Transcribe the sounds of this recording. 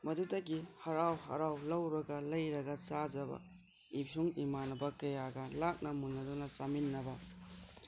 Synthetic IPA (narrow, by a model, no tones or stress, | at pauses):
mɐdutɐɡihɐɾawhɐ̰ɾawlɐwɾɐɡɐlɐjɾɐɡɐt͡ʃad͡ʒɐbɐ̰ | ipʰjuŋimanɐbɐkɐjaɡɐlak̚nɐmunːɐdunɐt͡ʃaminːɐbɐ